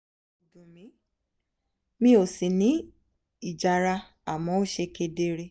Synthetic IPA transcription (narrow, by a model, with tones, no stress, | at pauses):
dũ˨mĩ˨˦ | mĩ˦o˨si˨nĩ˨˦ | i˨d͡ʒa˨ɾa˧ | a˨mɔ̃˨˦o˦ʃe˧ke˧de˧ɾe˧